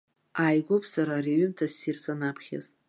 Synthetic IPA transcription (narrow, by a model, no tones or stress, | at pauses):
ajɡʷʊpʰsaɾaɾiɥʏmtʰasirsanapʰχʲa̰zʼ